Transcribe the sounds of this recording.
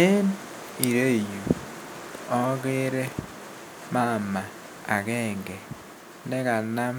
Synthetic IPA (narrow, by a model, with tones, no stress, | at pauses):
e˦n | i˨ɾe˦˨ju˨ | ɔ˦ɣe˦ɾe˦ | ma˦˨ma˨ | a̰˨ɣɛː˦˨ŋɡe˨ | nɛ˦ɣa˨na˦